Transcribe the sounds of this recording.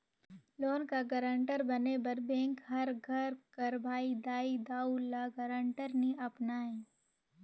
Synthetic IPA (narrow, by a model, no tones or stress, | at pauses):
loːnkaɡɐɾə̃ɳʈəɾbɐnebɐɾbẽːŋkɦɐɾɡʱɐɾkɐɾbʱaːid̪aːid̪aːulaɡɐɾə̃ɳʈəɾniʔɐpnaːĩ